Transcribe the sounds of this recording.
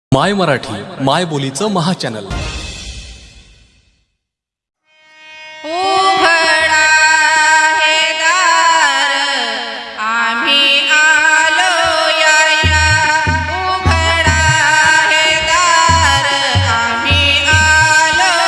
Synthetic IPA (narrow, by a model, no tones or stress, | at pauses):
majməɾaʈʰiːmajbolit͡səməɦat͡ɕænə̰l | ubʱəɽa | ɦed̪a | ɾ | aminalojaɽja | u | bʱəɾɳaɦe | d̪aɾ | a | minalo